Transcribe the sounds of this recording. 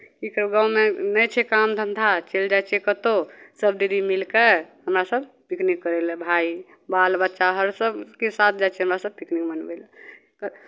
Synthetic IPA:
kikɾəɡãwmenəjt͡ʃʰɛkamd̪ʱə̃nd̪ʱat͡ʃeld͡ʒat͡ʃʰɛkət̪osəb̚d̪iɾimilkeɦhəmɾasəbpiknikːəɾɛlbʱai | balbət̪ːʃaɦəɾsəbkisat̪̚ʰd͡ʒajt͡ʃʰɛɦəmɾasəb̚piknikmənbə̰l | k

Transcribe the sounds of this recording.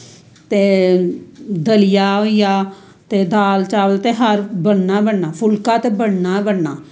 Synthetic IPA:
t̪eː | d̪əlɪjaːɦoijaː | t̪eːd̪aːlt͡ʃaːʋəlt̪eːɦəɾbəɳnaːbəɳnaːpʰʊlkãːt̪eːbəɽnaːbəɽnaː

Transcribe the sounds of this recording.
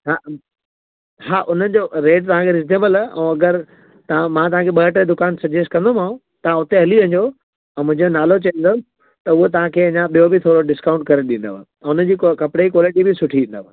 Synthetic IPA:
ɦa | ɦaːʔʊn̤ənɪ̆d͡ʑoɾeːʈ̚t̪ɐʋ̤ãkʰeɾɪzd̪eːməlaʔɛ̰̃ɐɡəɾ | t̪ɐãmãt̪ɐʋ̤ãkʰeɓɐɦəʈəd̪ʊkaːnsɐd͡ʑesʈkɐ̃nd̪omãːũ | t̪ɐʋ̤ãʊt̪eɦɐliʋɐ̃ɲd̪o | ɛ̃ːmʊ̃ɦɪ̃ɲd͡ʑonaːlot͡ɕɐə̃n̆d̪o | t̪ɐʊɦot̪ɐʋ̤ãkʰeːɐ̃ɲãɓijobʱɪt̪ʰoːɾoɖɪskaːʊ̃ɳʈ̚kɐɾeɗĩːn̆d̪oa̰ | ɛ̃ʊnəd͡ʑiːkkɐpɽeikwɔːlɪʈibɪsʊʈʰiĩːnd̪oʋa

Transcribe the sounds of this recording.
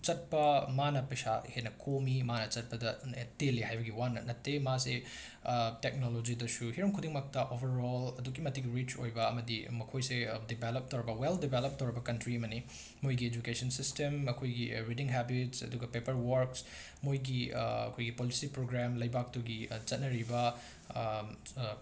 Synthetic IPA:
t͡ʃɐt̚pɐmanɐpɐsahenɐkʰomimanɐt͡ʃɐt̚pɐdɐtelːihajbɐɡiwanɐnɐtːemase | tek̚nolod͡ʒidɐsuhiɾɐmkʰudiŋmɐk̚tɐʔobɐɾolɐduɡimɐtːiɡiɾit͡ʃo̰jbɐːmɐdimɐkʰojsedibelop̚tɐwɾibɐweldibelop̚towɾibɐkɐntɾiɐmɐni | mojɡied͡ʒukesɐnsistemɐkʰojɡiɾidiŋɦɛbitsɐ̰duɡɐpepɐɾwɐɾks | mojɡiɐ̰kʰojɡipolisipɾoɡɾamlɐjbak̚tuɡit͡ʃɐt̚nɐɾibɐ

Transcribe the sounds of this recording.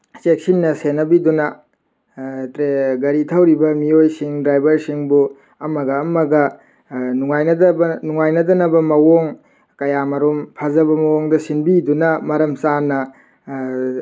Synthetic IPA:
sek̚sinːɐsenɐbidunɐ | tɾeɡɐɾitʰɐwɾibɐmiojsiŋdɾajbɐɾsiŋbu | ɐmɐɡɐːmɐɡɐ | nuŋajnɐdɐbɐnuŋajnɐdɐnɐbɐmɐwoŋ | kɐjamɐɾompʰɐzɐbɐmɐwoŋdɐsinbidunɐmɐɾɐmsanɐ

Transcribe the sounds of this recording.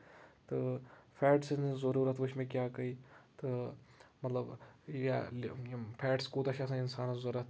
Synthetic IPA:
t̪ɨpʰɛːʈsnzɐɾuːɾət̪ʰʋʊʃʰmẽːkjaːkɐiːt̪ɨmɐt̪lɐbjalpʰɛːʈskoːt̪ɐʃʰasãɪnsaːnɐzɐɾət̪ʰ

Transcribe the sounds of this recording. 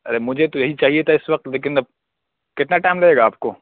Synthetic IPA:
ɐɾemʊd͡ʒʱet̪ojɐɦit͡ʃaːɦiet̪ʰaɪsʋɐq̚t̪leːk̬ɪnɐb̚ | kɪt̪naʈaːɪ̃mlɐeːɡaːp̚koː

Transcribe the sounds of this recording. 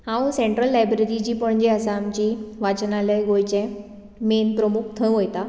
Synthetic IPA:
hãũseɳʈɾəlːajbɾeɾid͡ʑiːpəɳd͡ʑeəsaːmt͡ɕiʋat͡ɕnaləjɡojt͡ɕɛ̃ | menpɾəmuk̚t̪ʰə̃ɦojt̪a

